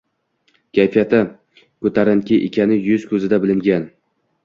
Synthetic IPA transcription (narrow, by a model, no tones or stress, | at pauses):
kʲʰajfijat̪a | kɵt̪ʰaɾankʲɪʔḛkʲʰanɪjʊz̥kʰɵzɪd̪abɪlɪŋɡʲan